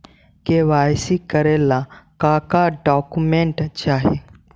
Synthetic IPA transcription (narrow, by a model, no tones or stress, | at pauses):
keʋaːjsikəɾelakãkaɖɔːkumẽɳʈt͡ʃaːɦe